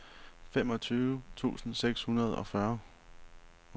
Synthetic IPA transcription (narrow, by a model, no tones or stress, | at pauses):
fem̰ɒ̽t͡sʰyːʊət͡sʰṵːsn̩seɡ̥shunɐð̞̩ˠɒ̽fɶɐ